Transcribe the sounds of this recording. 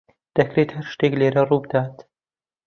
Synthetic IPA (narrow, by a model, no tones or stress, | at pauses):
d̪̥ɐkɾet̪hɐɾʃt̪eːkleːɾɐruːbɨd̪aːt̪